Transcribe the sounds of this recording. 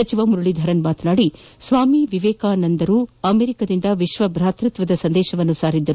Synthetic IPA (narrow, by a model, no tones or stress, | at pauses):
ɐt͡ʃiʋɐmuɾuɭid̪ʱɐɾɐnmaːt̪naːɽisʋaːmiʋiʋeːkaːnɐnd̪ɐɾuːɐmeːɾikɐd̪ind̪ɐʋiʃʋɐbɾaːt̪ɾut̪ʋɐd̪ɐsɐnd̪eːʃɐʋɐnːusaːɾid̪ːɐɾ